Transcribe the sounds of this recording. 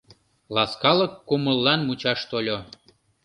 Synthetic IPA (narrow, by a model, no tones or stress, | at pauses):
lɑskɑləkːuməlːɑnmut͡ɕɑʃt̪olʲo